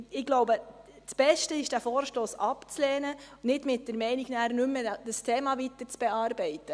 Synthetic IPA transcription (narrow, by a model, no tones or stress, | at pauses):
ɪɡloʊbə | t͡sb̥ɛʃtəɪʃd̥æfoːɾʃtoːsɑpt͡slɛːnənɪdmɪt̚d̥əɾmɛɪniɡ̥næːɾnʏmːəd̥əstʰeːmɑʋit̪əɾt͡sb̥ɛɑːɾbɛɪtːə